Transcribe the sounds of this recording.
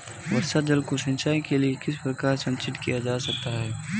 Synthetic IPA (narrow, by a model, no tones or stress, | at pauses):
ʋɐɾsad͡ʒəlkoʃɪ̃nʃaːikeliekɪs̬pɾɐkaːɾsɐ̃nsɪʈ̪kijad͡ʒaːsɐk̚t̪aɦɛː